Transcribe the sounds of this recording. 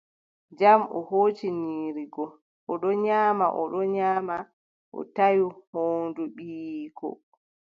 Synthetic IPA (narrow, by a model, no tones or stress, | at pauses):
d͡ʒamɔ̰hoːt͡ʃiniːɾiɡɔ | ʔɔɗɔɲaːmaʔɔɗɔɲaːma | ʔɔ̰tajuhoːnduɓiːkɔ̰